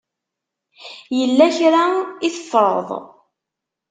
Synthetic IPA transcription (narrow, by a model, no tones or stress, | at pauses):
jəlːæçɾaiθəfːəɾˤðˤ